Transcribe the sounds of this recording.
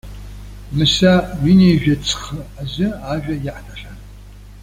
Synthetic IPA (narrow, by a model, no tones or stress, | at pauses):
mɨsaɥinejʒᶣat͡sʰχəazʷɨaʒᶣajaħtʰaʃʷᶣan